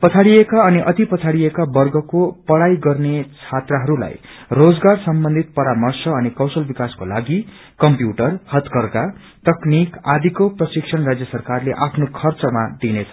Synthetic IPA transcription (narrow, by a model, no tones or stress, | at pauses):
pʌt͡sʰaɽijekaʌniʔʌt̪ipʌt͡sʰaɽiekabʌrɡʌkopʌɽajɡʌrnet͡sʰat̪raɦʌɾula̰jrod͡zɡarsʌmbʌnd̪ʱit̪̚pʌɾamʌrsʌʌnikʌwsʌlbikaskola̰ɡi | kʌmpjuʈʌrhʌt̪kʌrka | t̪ʌknikad̪ʱikoprʌsiksʰʌnrad͡zjʌsʌrkarleʔapʰnokʰʌrt͡sʌmad̪inet͡sʰʌ